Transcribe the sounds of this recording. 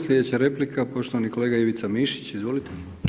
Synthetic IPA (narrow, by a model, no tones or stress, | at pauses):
slʲed̪et͡ɕaɾeplikapo̞ʃt̪oʋaniko̞leːɡajeʋit̪samiʃi̥t͡ɕizʋo̞lit̪emi